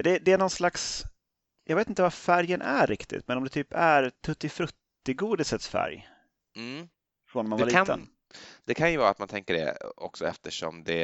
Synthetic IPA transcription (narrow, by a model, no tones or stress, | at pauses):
d̪ɛd̪ɛænɔnslaks | jʔɑ̰ːɡveːt̪ɪnt̪əvafæɾjənʔæɾɪkt̪ɪ̰t̪mɛnɔmd̪ɛt̪ʰyːpæɾt̪ʰɵt̪ːɪfɾɵt̪ːɪɡuːd̪ɪsət̪sfæ̰ɾj | m̩ | fɾɔnɔmːanvalːiːə̰n | d̪̥ɛkʰanjəvɑːɾa̰t̪mant̪ʰɛŋkəɖɛ̰ɔ̰ksɔɛ̰ft̪əʂɔ̰md̪ɛ